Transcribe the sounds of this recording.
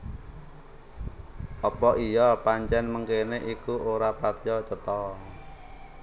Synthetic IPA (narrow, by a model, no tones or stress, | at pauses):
ʔɔpɔʔijɔpaɲt͡ʃɛnməŋkeneʔikuoɾapat̪jɔt͡ʃət̪ɔ